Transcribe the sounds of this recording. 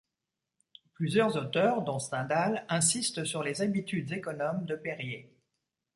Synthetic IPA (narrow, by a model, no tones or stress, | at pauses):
plyzjœʁzot̪œʁd̪ɔ̃st̪ɛ̃d̪alɛ̃sist̪əsyʁlezabit̪yd̪zekɔnɔmd̪əpeʁje